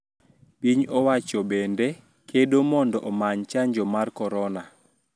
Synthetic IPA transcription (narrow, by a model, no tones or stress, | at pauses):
piɲɔwat͡ʃɔbende | kʰedomɔndɔʔɔmaɲt͡ʃaɲd͡ʒɔmarkɔɾɔna